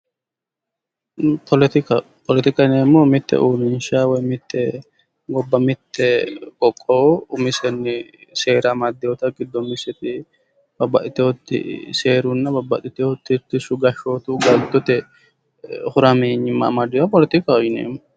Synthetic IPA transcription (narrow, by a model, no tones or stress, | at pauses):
pʰɔlɛt̪ɪkɐ | pɔlɛt̪ɪkɐneːmːomɪt̪ːɛ̰ʔuːmɪnʃawɔjmɪt̪ːɛ | ɡɔbːɐmɪt̪ːɛkʼɔkʼːɔʊmɪsɛnːɪse̞ːɾɐmɐd̪ːɛɔt̪ɐɡɪd̪ːɔmɪsɛt̪ɪ | bɐbːɐʔ̪ɪt̪ːɛhɔt̪ːɪ̰seːɾʊnːɐbɐbːɐ̰t̪ɪt̪ːɛhɔt̪ːɪt̪ːɪsʊɡɐʃoːt̪uɡɐld̪ɔt̪ɛ | hʊɾɐmeːɲɪmːa̰mɐd̪ːɛɔpɔlɛt̪ɪkɐɔjɪnḛːmːɔ